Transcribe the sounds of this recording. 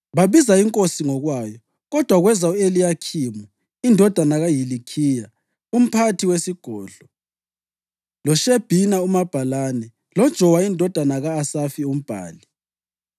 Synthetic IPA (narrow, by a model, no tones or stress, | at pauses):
βaβizaiŋkʼosiŋɔɣwaːjɔ | ɣɔd̥ʱwaɣwɛzaelijakʰiːmɔ | indʱɔd̥ʱanaɣajilikʰiːja | um̩pʰatʰiwesiɡ̥ʱɔːɮɔ | lɔʃeb̥ʱinaumab̥ʱalaːnɛ | lɔd̥ʒ̥ʱɔwaindʱɔd̥ʱanaɣaːsafium̩b̥ʱa̰ːli